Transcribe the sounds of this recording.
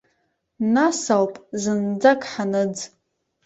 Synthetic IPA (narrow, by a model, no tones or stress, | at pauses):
nasawpʼzɨnd͡zakʼħanɨd͡z